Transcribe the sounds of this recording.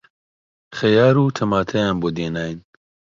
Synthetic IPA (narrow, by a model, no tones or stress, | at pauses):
xɐjaːɾuːt̪ʰɐmaːt̪ʰɐjaːnboːd̪eːnaːjn